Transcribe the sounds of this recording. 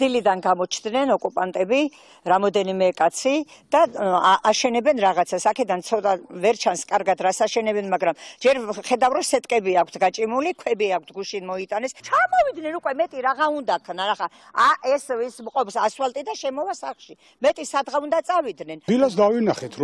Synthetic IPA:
d̪̥ilid̪anɡamɔt͡ʃʰnd̪nɛnɔkʼupʼant̪ʼɛbi | ɾamɔd̪ɛnimɛkʼat̪sʰid̪̥aʔaʃɛnɛbɛnɾaʁat̪sʰasakʰɛd̪ant̪sʰɔt̪ʼavɛɾt͡ʃʰanskʼaɾɡat̪ʰɾasaʃɛnɛbɛnmaɡɾamd͡ʒɛɾχɛd̪avɾɔsɛt̪ʼkʼɛbiakʰt̪ʰɡat͡ʃʼimulikʰwɛbiak̚ʰt̪ʰɡuʃinmɔit̪ʼanɛst͡ʃʰamɔvid̪nɛnukʼwɛmɛt̪ʼiɾaʁaund̪akʰnaɾaχa | aʔɛsvismqʼɔpsaswalt̪ʼid̪aʃɛmɔvasaχʃi | mɛt̪ʼisad̪ʁaund̪at̪sʼavid̪nɛnd̪ilasd̪avinaχɛt̪ʰɾɔ

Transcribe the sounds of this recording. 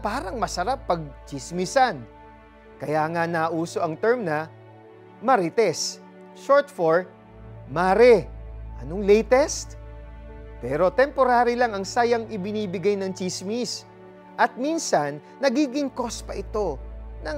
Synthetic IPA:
paːɾɐŋmɐsɐɾapːɐɡ̚t͡ʃɪsmisɐn | kɐjaːŋɐnaːʔuːso̞ʔɐŋt̪ɛɹmnɐ | mɐɾit̪ɛs | ʃoɹt̪foɹ | maːɾɛʔɐnoŋlɛjt̪ɛst̪̚ | pɛːɾo̞t̪ɛmpo̞ɾaːɾɪlaŋɐŋsaːjɐŋʔɪbɪniːbɪɡajnɐŋt͡ʃismis | ʔɐt̪̚minsɐnːɐɡiːɡɪŋko̞spɐʔɪt̪o̞nɐŋ

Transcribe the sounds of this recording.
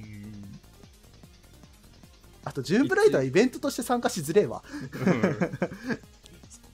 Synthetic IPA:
at̪o̞d͡ʑɨ̃ːmbɯ̟ɾaid̪oaibẽ̞nt̪o̞t̪o̞ɕi̥t̪esãŋkaɕizɨɾe̞βa̰

